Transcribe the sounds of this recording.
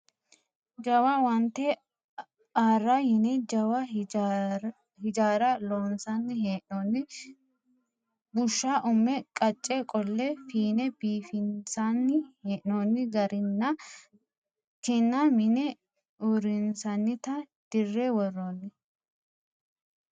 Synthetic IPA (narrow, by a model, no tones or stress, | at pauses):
d͡ʒɐwɐwɐnt̪ːɛ | aːrːɐhɪnɛd͡ʒɐwɐ | hɪd͡ʒaːɾɐloːnsɐnːɪheːʔnoːnːɪ | bʊʃːaʔʊmːɛkʼɐt͡ʃʼːɛkʼɔlːɛfiːnɛbiːfɪnsanːɪheːʔnoːnːɪɡɐɾɪnːɐ | kɛnːɐmɪnɛ | uɾɪnsɐnːɪt̪ɐ | d̪̥ɪrːɛwɔrːoːnːɪ